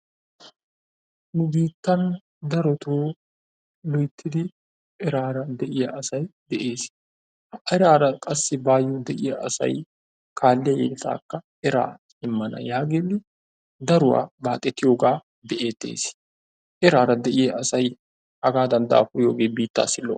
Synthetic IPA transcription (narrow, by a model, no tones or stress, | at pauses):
nʊbiːt̪ːɐn | d̪ɐɾɔt̪uː | lɔjt̪ʰːɪd̪ɪ | ʔɛɾaːɾɐd̪ɛʔɪjɐʔɐsɐjd̪ɛʔe̞ːs | hɐɾaːɾɐkʼɐsːɪbaːjːɔd̪ɛʔɪjɐɐsɐ̰j | kʰaːlːɪjɐjɛ̰ɪt̪a̰ːkːɐʔɛɾa̰ː | ɪmːɐnɐ̰jaːɡenːɪ | d̪ɐɾʊwa̰ːbaːt̪ʼːɛt̪ːɪjoːɡaː | bɛʔeːt̪ːḛːs | ʔɛɾaːɾɐd̪ɛʔɪjɐʔɐsɐj | ɐɡaːd̪ɐnd̪a̰ːfʊjoːɡeːbiːt̪ːa̰ːsɪlːɔ̰